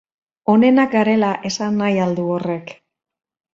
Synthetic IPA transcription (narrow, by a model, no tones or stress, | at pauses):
o̞ne̞nakɡaɾe̞laʔe̞sanːajald̪uore̞k